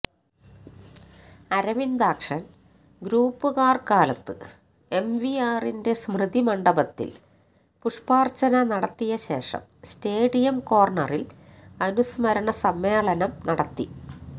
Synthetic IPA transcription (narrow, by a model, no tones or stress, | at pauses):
ɐɾɐʋind̪aːkʂɐn | ɡɾuːpːɨɣaːrkaːlɐt̪ːɨ | e̞mʋiaːrinde̞smrɨd̪imɐɳɖɐbɐt̪ːḭl | puʂpaːrt͡ɕɐnɐnɐɽɐt̪ːijɐɕe̞ːʂɐ̰mste̞ːɽijɐmko̞ːrɳɐrilɐnusmɐɾɐɳɐsɐmːeːɭɐnɐmnɐɽɐt̪ːi